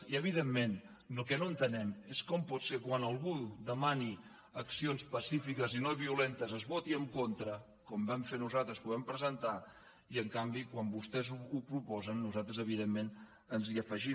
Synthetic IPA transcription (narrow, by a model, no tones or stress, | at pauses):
iəβ̞ið̞emːen | lukɛnoənt̪ənɛmeskɔmpɔt̪sekwanəlˠɣud̪əmani | əksionspəsifikəzinoβiulent̪əzəzβot̪iəŋkont̪ɾə | kɔmbɛmfenuzat̪ɾəspuβɛmpɾəzənt̪a | iəŋkambikwambust̪ɛzuupɾupɔzənːuzat̪ɾəzəβiðemːen | ənziəfəʒi